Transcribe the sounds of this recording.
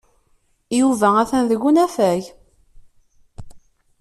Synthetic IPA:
juvææθænðəɡunæfæʝ

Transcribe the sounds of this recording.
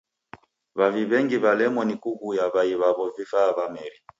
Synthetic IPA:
βaviβɛŋɡiβalɛmɔnikuɣujaβaiβaβɔvifaːβamɛɾi

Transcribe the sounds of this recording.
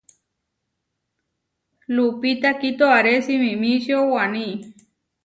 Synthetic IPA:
lupit̪akit̪oaɾesimĩmĩʃiowanĩ

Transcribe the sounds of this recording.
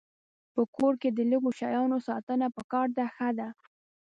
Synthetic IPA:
pəkoɾked̪ələɡoʃɑjɑnosɑt̪ənapəkɑɾd̪axəd̪a

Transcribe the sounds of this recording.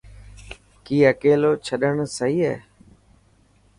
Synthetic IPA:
kiːəkeːloːt͡ʃʰəɗəɳsəɦiːɛ̰ː

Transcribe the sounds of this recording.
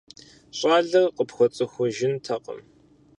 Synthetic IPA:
ɕʼaːɮɐrqəpxʷɔt͡sʼɨxʷʊʒɪntʰɐqʼə̰m

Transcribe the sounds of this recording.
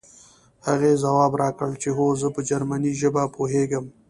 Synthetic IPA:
haɣezawɑːbɾɑkəɭt͡ʃeɦozəpəd͡ʒaɾmaniʒəbapoɦeɡəm

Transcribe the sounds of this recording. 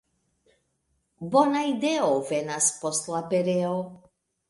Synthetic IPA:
bɔnajd̪ɛɔvɛnaspɔslˠapɛɾɛo

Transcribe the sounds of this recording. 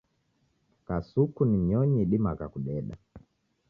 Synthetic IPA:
kasukunim̩ɲɔɲiɗimakakuɗɛɗa̰

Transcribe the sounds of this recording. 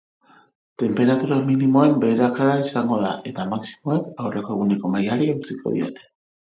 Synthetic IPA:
t̪e̞mpe̞ɾat̪uɾaminimo̞e̞mbe̞ːɾakaðaisaŋɡo̞ða̰ʔe̞t̪amaksi̥mo̞ekawre̞ko̞e̞ɣ̞une̞ko̞majaɾiaut͡sikʰo̞̰ð̞ḭo̞̰t̪e̥

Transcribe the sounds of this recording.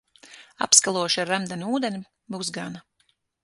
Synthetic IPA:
a̰pskalˠuɔʃaɾamd̪ɛnʲuːd̪enʲi | buːsɡana

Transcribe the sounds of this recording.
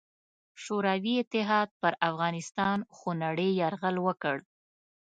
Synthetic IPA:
ʃoɾawiɪt̪ɪɦɑd̪̚pəɾafɣɑnɪst̪ɑnxonaɽəjaɾɣəlwəkəɽ

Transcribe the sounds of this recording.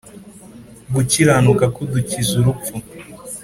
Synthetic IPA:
buciɾanukakuducizuɾuu

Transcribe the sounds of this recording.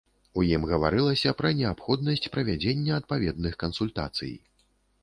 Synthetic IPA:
ujimɣɐvaɾɨlˠɐsʲɐpɾɐnʲɛapxɔd̪nɐsʲt͡sʲpɾɐvʲad͡zʲenʲːɐɐt̪̚pavʲɛd̪nɨxkɐnsulʲt̪a̰t̪sɨ̰j

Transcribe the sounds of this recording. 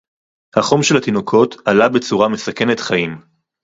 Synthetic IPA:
haχo̞mʃelhat̪ino̞kʰo̞talabet͡suʁame̞sake̞net̪χaim

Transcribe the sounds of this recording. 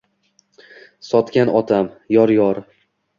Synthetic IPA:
sɒt̪kʲanɒt̪ʰam | jɒɾjɒɾ

